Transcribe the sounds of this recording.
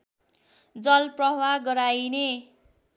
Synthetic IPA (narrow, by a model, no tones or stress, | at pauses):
d͡zʌlprʌɦwaɡʌɾajne